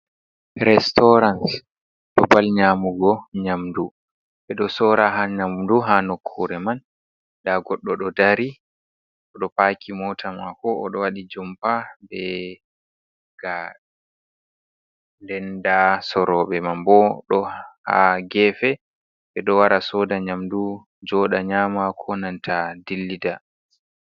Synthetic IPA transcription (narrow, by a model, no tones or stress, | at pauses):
ɾɛstɔɾans | ɗɔbalɲamuɡɔɲamdu | ɓɛɗɔsɔɾaɦaɲamduɦanokʰːuɾɛman | daɡɔɗːɔɗɔdaɾi | ʔɔɗɔpaːkʰimɔtʰamakɔːɗɔwaɗid͡ʒɔmpabɛ | ɡ̥a | ndɛndasɔɾɔɓɛmambɔɗɔha̰ɡɛːfɛ | ɓɛɗɔwaɾasɔːdaɲamdu | d͡ʒɔɗaɲaːmakʰɔnantʰadilːida